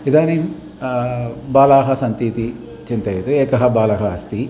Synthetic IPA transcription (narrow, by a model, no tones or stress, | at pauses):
id̪aːnim | baːlaːɦɐsɐnt̪iːt̪i | t͡ʃint̪ɐjet̪ueːkɐɦɐbaːlɐɦɐɐst̪i